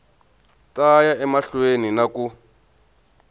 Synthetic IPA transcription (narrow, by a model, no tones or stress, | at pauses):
tajaɛmaɬweninaku